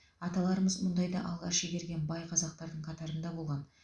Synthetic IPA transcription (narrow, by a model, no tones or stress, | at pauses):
ɑt̪ɑlˠɑɾəməzmʊnd̪ɑjd̪ɑʔɑlˠʁɑ̰ʃeɡʲe̞ɾɡʲe̞nbɑjqʰɑzɑq̚t̪ɑɾd̪əɴqʰɑt̪ɑɾənd̪ɑbo̞lˠʁɑn